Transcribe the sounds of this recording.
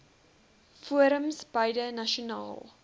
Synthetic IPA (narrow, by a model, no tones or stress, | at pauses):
fuəɾəmsbɐjdənɐʃunɑ̰ːlˠ